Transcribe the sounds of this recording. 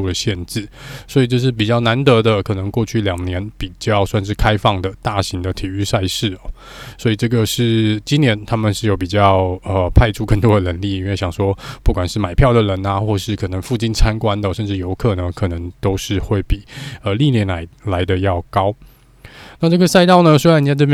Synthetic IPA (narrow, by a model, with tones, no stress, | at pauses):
u˥˩d̪ə˩ɕjɛ˥˧nʈ͡ʂɻ̩˥˩swɔ˧˥i˨˩ʈ͡ʂə˥˧ʂ̬ɻ̩˥˩p̬i˨˩t͡ɕjɑ˥˩ʊna˧˥nt̪ɤ˧˥d̪ə˧kʰɤ˨˩nə˧˦ŋkwɔ˥˧t͡ɕʰy˥˩ljɑ˨˩ŋnjɛ˧˥npi˨˩t͡ɕjɑ˥˧ʊswa˥˧nʂɻ̩˥˩kʰa˥ɪfɑ˥˩ŋd̪ə˩t̪a˥˩ɕi˧˥ŋd̪ə˧t̪ʰi˨˩y˥˧sa˥˧ɪʂɻ̩˥˩ɔ˨˩ | swɔ˧˥i˨˩ʈ͡ʂɤ˥˩ɡə˩ʂɻ̩˥˩t͡ɕi˥njɛ˧˥nt̪ʰa˥mə˨nʂɻ̩˥˩jo˨˩ʊp̬i˨˩t͡ɕjɑ˥˩ʊə˧pʰa˥˧ɪʈ͡ʂʰu˥˧kə˥˩ŋt̪wɔ˥d̪ə˨nə˧˥˦nli˥˩i˥nwe˥˩ɪɕjɑ˨˩ŋʂwɔ˥pu˥˩kwa˨˩nʂɻ̩˥˩ma˨˩ɪpʰjɑ˥˩ʊd̪ə˩ɻə˧˥na˧xwɔ˥˧ʂɻ̩˥˩kʰɤ˨˩nə˧˥ŋfu˥˩t͡ɕi˥˩nt͡sʰa˥nkwa˥nd̪ə˨ʂə˥˧nʈ͡ʂɻ̩˥˩jo˧˥ʊkʰɤ˥˩nə˩kʰɤ˨˩nə˧˥ŋt̪o˥ʊʂɻ̩˥˧xwe˥˩ɪpi˨˩ə˧li˥˩njɛ˧˥nla˧˥ɪla˧˥ɪd̪ə˧jɑ˥˩ʊkɑ˥ʊ | na˥˧ʈ͡ʂɤ˥˩ɡə˩sa˥˧ɪt̪ɑ˥˩ʊnə˨swe˧˥ɻa˧˥ni˨˩jʈ͡ʂɤ˥˧bj